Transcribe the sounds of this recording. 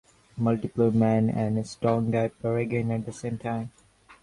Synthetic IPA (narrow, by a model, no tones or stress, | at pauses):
mʌlʈɪpəlmæ̃næ̰̃nsʈɹɔ̃ŋɡaɪp̚əɹəɡẽnæʈ̚d̪əsẽːmtʰãɪ̃m